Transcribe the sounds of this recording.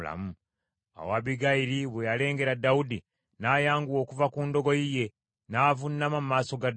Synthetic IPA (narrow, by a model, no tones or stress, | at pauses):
la̰mu | a̰waβiɡaiɾiβwejale̞ːŋɡe̞ɾadːawudi | naːjaːŋɡuwo̞ːkuvakuːndo̞ɡo̞jije̞ | naːvunːamamumaːso̞ɡad